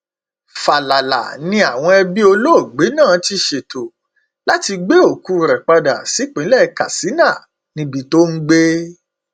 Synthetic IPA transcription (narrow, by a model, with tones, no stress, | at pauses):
fa˨la˨la̰˨nĩ˧a˨w̃ɔ̃˧ɛ˧bi˦o˧lo˦o˦˨ɡ͡be˨˦nãː˦˨ti˧ʃe˨to˨ | la˦ti˧ɡ͡be˦o˦˨ku˨˦˨ɾɛ˨k͡pa˧da̰˨si˨˦k͡pĩ˨˦lɛ˦˧˦ka̰˨si˨˦nã˦˨ | nĩ˧bi˧to˦n̩˦ɡ͡be˦